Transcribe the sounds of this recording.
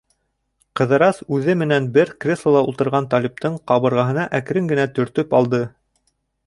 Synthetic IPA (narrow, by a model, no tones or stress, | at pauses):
qɤ̆ðɤ̆ɾɑsʉðɘmɘ̆nænbɘɾkrʲeslˠolˠɑult̪ɤ̆ɾʁɑnt̪ɑlʲip̚t̪ɤɴqɑβɤ̆ɾʁɑɦɤ̆nɑʔæk̆ɾɘŋɡɘ̆næt̪ɵ̆ɾt̪ɵpɑlˠd̪ɤ